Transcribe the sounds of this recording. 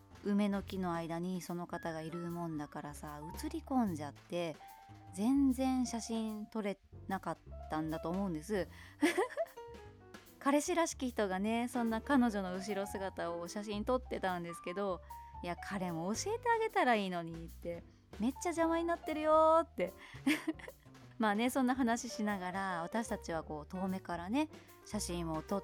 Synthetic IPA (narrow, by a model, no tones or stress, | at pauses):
ɯ̟me̞no̞kʲino̞aid̪aɲ̟iso̞no̞kat̪aɡaiɾɯ̟mõ̞nd̪akaɾasaɯ̟t͡sɨɾʲikõ̞ɲ̟d͡ʑat̪ːe̞zẽ̞nd͡zẽ̞ɰ̃ɕaɕĩnt̪o̞ɾe̞ | nakat̪ːãnd̪at̪o̞ːmo̞ɯ̟̃nd̪e̞sɨ | kaɾe̞ɕiɾaɕi̥kʲiçi̥t̪o̞ɡane̞sõ̞nːakano̞ʑo̞no̞ɯ̟ɕ̬iɾo̞sɨɡat̪aoɕaɕ̬ĩnt̪o̞t̪ːe̞t̪ãnd̪e̞sɨ̥ke̞d̪o̞jakʰaɾe̞mo̞ːɕie̞t̪e̞aɡe̞t̪aɾaiːno̞ɲ̟it̪ːe̞ | me̞t͡ɕːaʑamaɲ̟inat̪ːe̞ɾɯjot̪ːe̞ | maːne̞sõ̞nːaɦanaɕiɕinaɡaɾaβ̞at̪aɕi̥t̪at͡ɕiβako̞ːt̪o̞ːme̞kaɾane̞ | ɕaɕĩɰ̃o̞t̪o